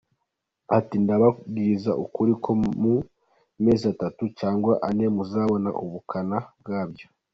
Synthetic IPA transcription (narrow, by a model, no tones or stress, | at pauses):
atindaβaɡizaʔukuɾikʰo̞mu | me̞ːzatatut͡ʃaːŋɡwaʔane̞muzaːβo̞na̰ʔuβukʰanabɡaːbjo̞